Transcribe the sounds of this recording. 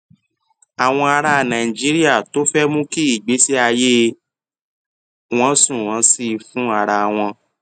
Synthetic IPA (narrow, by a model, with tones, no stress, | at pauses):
a˨w̃ɔ̃˧a˧ɾa˧˨nã˨i˨d͡ʒi˦ɾi˦a˦˨to˨˦fɛ˦mũ˦ki˦i˦˨ɡ͡be˨˦si˦a˧je˦ | w̃ɔ̃˦sũ˦˨ɾ̃ã˨˦si˦˧fũ˦a˧˨ɾa˧w̃ɔ̃˧